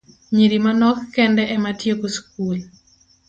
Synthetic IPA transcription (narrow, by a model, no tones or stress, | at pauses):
ɲiɾimanɔkːɛndɛʔɛmatjekosk̚ul